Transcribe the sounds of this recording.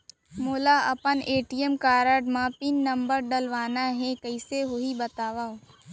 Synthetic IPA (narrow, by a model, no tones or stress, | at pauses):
moːlaɐpəneːʈijəmkaːɾəɖmãːpinːɐmbəɾɖəlʋaːnaɦɛ̃kəɪseɦoibɐt̪aːʋao